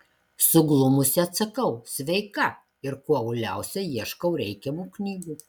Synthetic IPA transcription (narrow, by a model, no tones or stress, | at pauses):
sʊɡlˠʊmʊsʲɛɐt̪sɐkɐʊsʲʋʲɛɪkɐ | ɪɾkuɔɐʊlʲæˑʊsʲɛjiɛʃkɐʊɾʲɛɪkʲɛmuːknʲiːɡuː